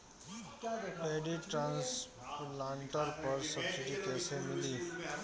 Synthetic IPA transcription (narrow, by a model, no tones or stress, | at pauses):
beːɖiʈɾãːns | lãːɳʈəɾpəɾsəbsɪʈikɛːsemɪliː